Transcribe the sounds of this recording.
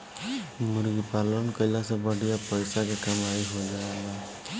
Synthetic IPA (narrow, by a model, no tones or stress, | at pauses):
muɾɡipalɔnkʌjlasabʌɖʱijapʌjsakekamajɦod͡ʒaala